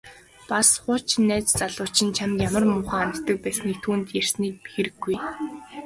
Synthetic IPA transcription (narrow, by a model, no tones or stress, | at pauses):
pasχʊt͡ɕnːæːt͡st͡saɮʊːt͡ɕɪ̆nt͡ɕʰamjamə̆rmʊːχaːanʰt̪ə̆k̚pæːsniːk̚t̪ʰuːnt̪jær̥sniːk̚pixɘ̆ɾɘ̆ɡːuj